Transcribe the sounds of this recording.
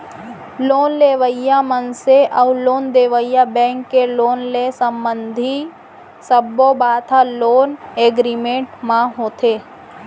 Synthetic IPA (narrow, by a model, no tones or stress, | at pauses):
loːnleːʋəjamənseʔəʊloːnd̪eːʋəjabɛ̃ːŋkːeloːnlesə̃mbə̃nd̪ʱi | səbːobaːt̪ʰaloːneːɡɾimẽɳʈmãɦoːt̪eː